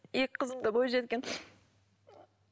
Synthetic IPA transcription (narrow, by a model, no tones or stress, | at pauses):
jekʲqʰəzəɴd̪əbojʒet̪̚kʲen